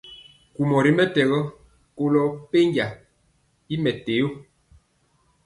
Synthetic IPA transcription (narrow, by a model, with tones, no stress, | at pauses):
ku˨mɔ˨ɾi˦mɛ˦tɛ˨ɣɔ˦ | ko˦lɔ˦pe˦ŋɡja˨ | i˦mɛ˨te˨jo˦